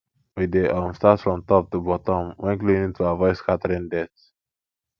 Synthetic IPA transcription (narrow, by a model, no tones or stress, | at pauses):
wideʔɔ̃nstatsfɹɔ̃mtɔp̚tubɔtɔ̃mwɛ̃nklĩnĩŋtʰuavɔɪskʰatəɹĩŋdɛt